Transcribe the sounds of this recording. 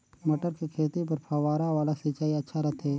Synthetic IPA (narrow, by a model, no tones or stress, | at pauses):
mɐʈəɾkekʰeːt̪ip̬ɐɾpʰɐʋaːɾaʋaːlasit͡ʃaːiɐtːʃʰaɾɐt̪ʰeː